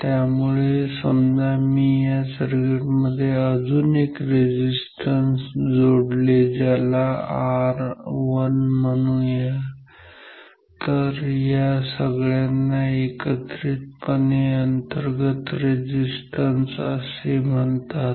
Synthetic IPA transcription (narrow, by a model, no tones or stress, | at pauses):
t̪jamuɭesəmd͡zamiːjasəɾɡiʈməd̪ʱːjeəd͡zuːnekɾed͡ʑisʈənsd͡zoɽled͡zalaaɾʋənmənũja | t̪əɾjasəɡɭjanːaekət̪ɾiːt̪̚pəneənt̪əɾɡət̪ɾed͡ʑisʈənsə̰sem̤əɳt̪at̪